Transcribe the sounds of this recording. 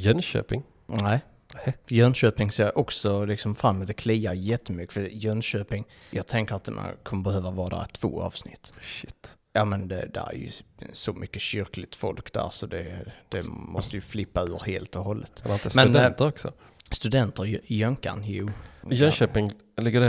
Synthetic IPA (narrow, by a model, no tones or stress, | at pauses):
jɛnɕø̰ːpɪŋ | næː | ɛjœnɕøːpɪŋseːʔɔksɔlɪksɔmfɾamːəd̪ɛkʰliːaɾjɛt̪ʰːəmʏkːə̥fəjœnɕøːpɪŋ | jʔɑːɡ̚t̪ʰɛŋkəɾat̪ma̰nkʰɔməbɛɦøːvavɑːd̪æ̰ːɾt̪ʰv̥o̰ːɑ̰ːv̥snɪt̪ːʃɪt̪ːjɑːmɛnd̪ɛd̪æ̰ɾæ̰ɾjɵ̰sɔmʔʏkːəɕʏɾklɪt̪fɔ̰lkd̪æ̰ːɾsɔd̪ɛd̪̥ɛmɔst̪əjɵflɪpːaʉ̟ːɾheːlt̪ɔɦɔlːət̪ɾɪnəsmɛnd̪ɛt̪əɾɔksɔ̰ | st̪ɵd̪ɛnt̪əɾjœŋka̰njuːjœnʃøːpɪŋ | lɪɡːəɾɛ